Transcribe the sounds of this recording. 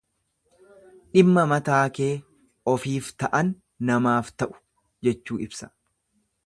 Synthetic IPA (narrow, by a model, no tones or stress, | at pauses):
ᶑɪmːɐmɐt̪aːke̞ː | ɔfiːft̪ɐʔɐnː | ɐmaːft̪ɐʔʊ̥ | d͡ʒɛt͡ʃːuːɪbsɐ̥